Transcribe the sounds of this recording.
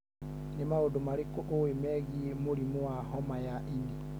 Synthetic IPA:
nemaodomaɾekoʔowemɛɣiemoɾimoaɦɔmajaʔindi

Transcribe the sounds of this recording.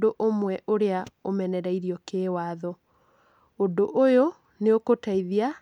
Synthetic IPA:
doʔomwɛʔoɾeaomɛnɛɾaiɾiɔkeːwaːðɔ | ondoʔojo | neokotaiðia

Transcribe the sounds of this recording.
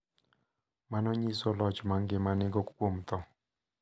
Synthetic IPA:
manɔɲisolɔt͡ʃmaŋɡɪmanɪɡɔkkwomt̪ɔ

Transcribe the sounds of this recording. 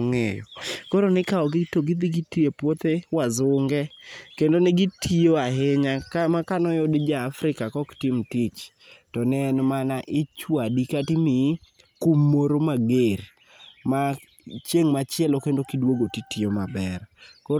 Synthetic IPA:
ŋejɔ̰koɾonɪkaɔɡɪtoɡɪd̪iɡitepwot̪ewazʊŋɡɛkendonɛɡitʰioaɦɪɲakamakanɔjɔdɪd͡ʒaːfɾɪkakɔktɪmtit͡ʃ | tɔnɛnmanaʔɪt͡ʃwadikatimi | kumːoɾomaɡer | ma | t͡ʃjeŋmat͡ʃjɛlɔkendokidwoɡotitiomabɛrko

